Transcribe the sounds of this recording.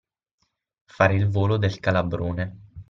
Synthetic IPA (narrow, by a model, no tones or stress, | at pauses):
faːɾeilvoːlod̪elkalabɾoːne